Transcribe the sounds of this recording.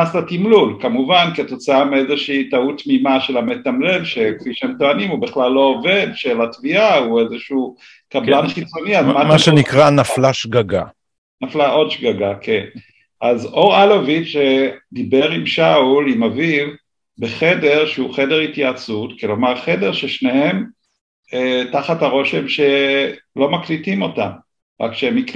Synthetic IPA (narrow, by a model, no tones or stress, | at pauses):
aslatimlulkamuvankiato̞t͡saamiezeʃiːtautmimaʃe̞lame̞tamle̞lʃe̞kfiʃeemtoanimubiχlalːo̞ovedʃelatviauezeʃu | kablanχit͡so̞niazmaʃmaʃenikʁanaflaʃɡaɡa | naflaʔo̞dʃɡaɡakʰe̞n | ʔazo̞ʁalovit͡ʃʃedibe̞ʁimʃaulimaviv | beχe̞de̞ʁʃeuχe̞de̞ʁitjat͡sutkilomaʁχe̞deʁʃeʃnehe̞m | etaχataʁo̞ʃe̞mʃe̞lo̞maklitimo̞tam | ʁa̰kʃeemik